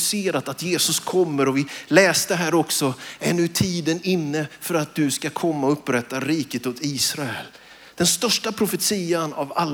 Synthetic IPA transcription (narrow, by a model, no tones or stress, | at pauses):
seːɾat̪at̪jeːsɵskʰɔmːəɾɔvɪlɛːst̪əɦæːɾɔksɔɛnːɵt̪ʰiːd̪ənɪnːəfœɾat̪̚d̪ɵskakʰɔmːaɔɵpːɾɛt̪ːaɾiːkət̪hʊt̪ʰiːsɾaɛl | d̪̥ɛnst̪œʂʈapʰɾʊfət̪siːana̰valː